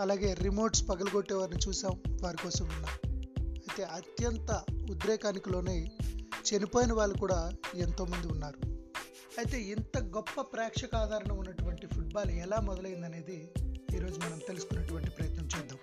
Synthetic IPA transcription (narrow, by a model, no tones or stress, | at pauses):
ɐlaːɡe̞ːɾimo̞ːɾʈspɐɡɐlɐɡoʈːɛːʋaːɾinit͡ʃuːsaːmʋaːɾikɔːsɐmunːaːmɐjit̪e̞ːɐt̪jɐnt̪ɐud̪ɾɛːkaːnikilo̞ːne̞ːt͡ʃenipoːjinɐʋaːɭːukuːɽaːent̪o̞ːmɐnd̪iunːaːɾu | ɐjt̪e̞ːint̪ɐɡɔpːɐpɾaːkʂɐkaːd̪ʱaːɾɐɳɐmunːɐʈuʋɐɳʈipʰuʈ̚baːlɛlaːmɔd̪ɐlɐjind̪ɐne̞ːd̪iːɾo̞ːd͡ʒumɐnɐmt̪e̞lusu̥kunːɐʈuʋɐɳʈipɾɐjɐt̪nɐmt͡ʃɛːd̪ːaːm